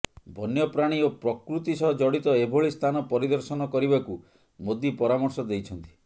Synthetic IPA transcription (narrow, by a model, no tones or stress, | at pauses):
bʱɔnjɔpɾaɽ̃iopɾɔkɾut̪isɔɦɔd͡ʒɔɽit̪ɔebʱoɭist̪ʰanɔpɔɾid̪ɔɾsɔnɔkɔɾibaku | mod̪ipɔɾamɔɾsɔd̪ejt͡ʃʰɔnt̪i̥